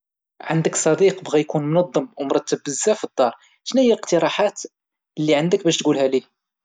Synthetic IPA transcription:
ʕand̪əksˤɑd̪iqbɣæjkunmʊnɑd̪ˤːəmwmɾˤɑt̪ːəbːəzːæfid̪ˤːɑɾˤ | ʃnæjːæqt̪əɾˤɑħat̪ | lːiʕand̪ək̚bæʃt̪ɡulhælih

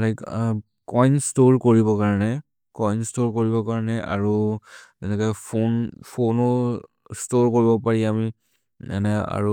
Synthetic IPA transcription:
lak | kɔjnstoɹkoɹibɔkaɹɔnɛ | kɔjnstoɹkoɹibɔkaɹanɛʔa̰ɹuzɛnɛkɔjpʰonpʰonɔ | stoɹkoɹibɔpaɹiami | ɛ̰nɛa̰ɹu

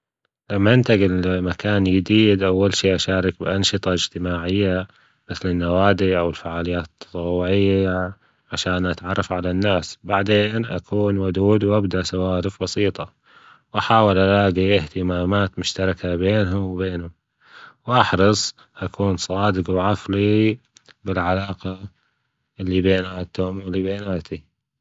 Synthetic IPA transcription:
lamːaʔɪnt̪aɡɪlmakaːnjɪd̪iːd̪ʔawːalʃiːʔaʃaːɾˤɪk̚bɪʔɑnʃɨt̪ˤɑɪd͡ʒt̪ɪmaːʕɪjːa | mɪθlɪnːawaːd̪iʔawɪlfaʕaːlɪjːaːt̪t̪ʰːt̪ˤuːʕɪjːa | ʕaʃaːnʔat̪ʕɑrˤːɑfʕalanːaːsbaʕd̪eːnʔa̰kʰuːnwʊd̪uːd̪wʔabd̪aʔsawaːɾɪfbɑsiːt̪ˤɑ | wʔaħaːwɪlʔaɾaːɡiʔɪht̪ɪmaːmaːt̪mʊʃt̪ɑɾˤɑkabeːnɦʊmwbeːnhʊm | wʔɑħɾˤɑsˤ | ʔakʰuːnsˤɑːd̪ɪqwʕafli | bɪlʕalaːqɑ | ʔɪlːibeːnaːt̪ʊmɪlːibeːnaːt̪ʰi

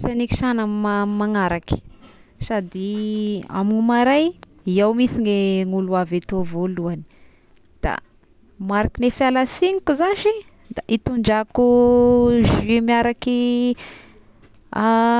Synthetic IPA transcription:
saniki̥ʃanammamaŋaɾaki̥sad̪ia̰minumaɾaj | iawmisineŋuluavet̪ovoluani̥ | d̪̥a̰ | maɾakinefjalasiŋikuzaʃi | d̪aʔit̪uɳɖ͡ʐaku | ʒimiaɾaki | a

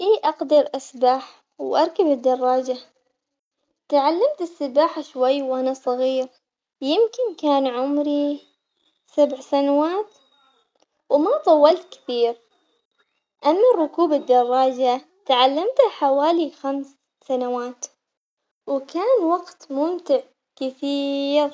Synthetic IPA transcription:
ʔiːʔɑqd̪ɑɾʔasbaħ | wʔɑɾˤkabɪd̪ːɑrˤːɑːd͡ʒa | t̪aʕalːamt̪ɪsːɪbaːħaʃwajːwʔanasˤɑɣiːɾ | jɪmkɪnkaːnʕʊmɾi | sabʕsanawaːt̪ | wmat̪ˤɑwːɑlt̪kɪ̥θiːɾ | ʔamːarˤːʊkuːbɪd̪ːɑrˤːɑːd͡ʒa | t̪ʕalːamt̪aħawaːlixamsː | anawaːt̪ | wkaːnwɑɡt̪mʊmt̪ɪʕ | kɪθiːɾ

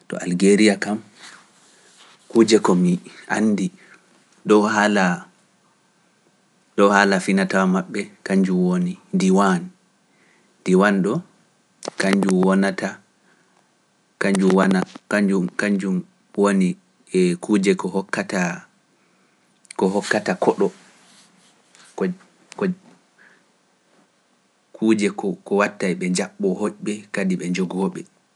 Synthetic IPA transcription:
tɔ̰ʔalɡeɾijakam | kuːd͡ʒɛkɔmiʔa̰nːdi | dɔhala | dɔwhalafinatawmaɓːɛkaɲd͡ʒumwonidiwan | diwanɗɔ | kaɲd͡ʒumwɔnata | kaɲd͡ʒumwanakad͡ʒumkaɲd͡ʒum | woni | ɛkʰuːd͡ʒɛkɔhɔkːata | kɔɦɔkːatakʰɔɗɔ | kɔ | kɔ | kʰuːd͡ʒɛkɔkɔwatːajɓɛɲd͡ʒaɓːɔhoʔɓɛkadiɓɛɲd͡ʒoɡɔːɓɛ

